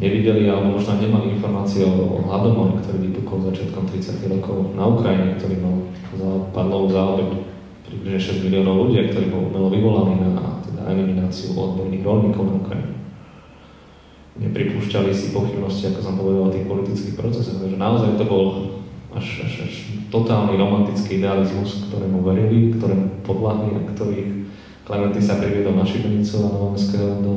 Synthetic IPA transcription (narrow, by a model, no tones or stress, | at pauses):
ɲɛʋiɟɛlialɛɔmɔʒnɔɲɛmaliinfɔɾmaːt͡siɛɔɔ̰ɦlad̪ɔmɔɛkt̪ɔɾiːʋipukɔlzat͡ʃɪat̪kɔmt̪ɾit͡sɪac̪iɣɾɔkʰɔʊnaukɾaiɲɛkt̪ɔɾiːmal | uzapad̪lɔʋuzaɔbɛc | pɾibliʒɲɛʃɛzɟmiliɔːnɔʊluɟiakt̪ɔɾiːbɔlṵmɛlɔʋiʋɔlaniːnat̪ɛd̪a̰ɛ̰liminaːt͡siṵʔɔ̰d̪bɔɾniːɣɾɔlɲiːkɔʊnaukɾa̰jḭɲɛ | ɲɛ̰pɾipuːʃcalisipɔxibnɔsciakɔsɔmpɔʋɛd̪alɔt̪iːxpɔlit̪it͡skiːxpɾɔt͡sɛsɔxt̪aɡʒɛnaɔzajt̪ɔbɔla̰ʃa̰aʃt̪ɔt̪aːlniɾɔmant̪it͡skiːid̪ɛalizmuskt̪ɔɾɛːmuʋɛɾilikt̪ɔɾɛːmupɔd̪laɦlia̰kt̪ɔɾiːx | klɛmɛnt̪isapɾiʋɪɛd̪ɔlnaʃib̪ɲit͡suanɔʋɔmɛnskɛɔd̪ɔ